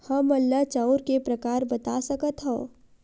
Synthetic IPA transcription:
hɐmɐlːat͡ʃaːʊɾkepɾɐkaːɾbɐt̪asɐkət̪ɦoː

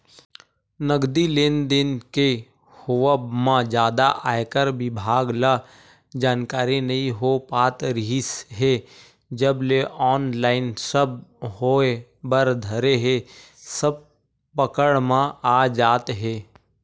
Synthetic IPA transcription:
nəɡd̪ileːnd̪ɪnke | hoʋəmãd͡ʒjaːd̪aʔaːekəɾbɪbʱaːɡla | d͡ʒaːnkaːɾinɐɦĩɦopaːt̪ɾɪisɦe | d͡ʒəbleʔɔːnlaːɪnsəbhoːebəɾd̪ʱəɾeɦe | səb̚ | pəkəɽmãaːd͡ʒaːt̪ɦeː

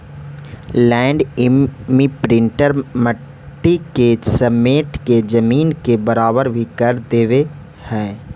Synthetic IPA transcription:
lɛ̃ːɳɖɪmipɾɪ̃ɳʈəɾmə | ʈːikesəmeːʈked͡ʒəmiːnkebɐɾaːbəɾbʱikɐɾd̪eːʋe | hɛː

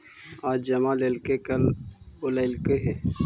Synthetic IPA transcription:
aːd͡ʒd͡ʒɐmaːlelkekɐloleɪlkeɦɛ̃ː

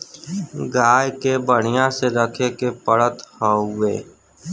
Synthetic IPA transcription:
ɡaːjkebəɽ̤ɪjãseɾəkʰekepəɽət̪hoːʊeː

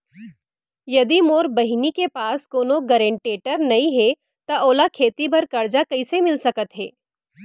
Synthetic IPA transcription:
jɐd̪imoːɾbɐɦinikepaːskoːnoɡɐɾẽɳʈeːʈəɾnɐĩɦɛ | t̪aʔoːlakʰeːt̪ibʱɐɾkɐɾd͡ʒakɐisemɪlsɐkət̪ɦɛ̰ː

